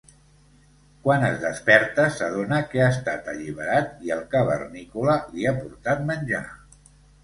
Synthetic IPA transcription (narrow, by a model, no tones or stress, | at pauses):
kwanəzðəspɛɾt̪əsəð̞onəkeast̪at̪əʎiβəɾat̪̚iəlˠkaβə̰rnikuləliapuɾt̪at̪̚mənʲʒa̰